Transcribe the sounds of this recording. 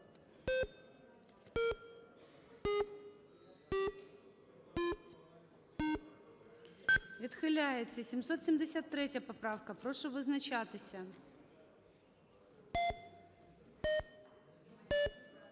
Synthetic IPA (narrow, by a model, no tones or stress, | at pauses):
vʲɪt̪xɨlʲajɪt̪səsʲɪmsot̪sʲɪmʲdʲɪsʲat̪ːɾʲetʲjəpɐpɾafkɐpɾoʂɨvɨznɐt͡ɕat̪ɨsʲə